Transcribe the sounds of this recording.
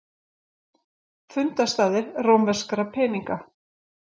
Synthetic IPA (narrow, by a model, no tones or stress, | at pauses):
fʏnt̪ast̪aːðɪɾroːwmvɛr̥skaɾapʰɛːniŋka